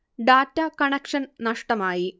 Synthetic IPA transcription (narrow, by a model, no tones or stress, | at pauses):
ɖaːtːɐkɐɳekʂɐnnɐʂʈɐmaːji